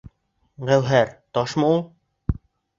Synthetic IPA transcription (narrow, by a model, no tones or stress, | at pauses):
ʁæwɦæɾt̪ɒʃmɤulˠ